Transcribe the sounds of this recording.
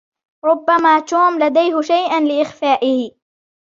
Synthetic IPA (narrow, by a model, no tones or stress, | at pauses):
ɾʊbːamaːt̪uːmlad̪ajɦʊʃajʔanlɪʔɪxfaːʔɪhɪ